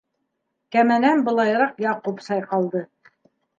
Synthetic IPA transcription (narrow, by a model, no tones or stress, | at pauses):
kæmænænbɤ̆lˠɑjɾɑqjɑqupsɑjqɑlˠd̪ɤ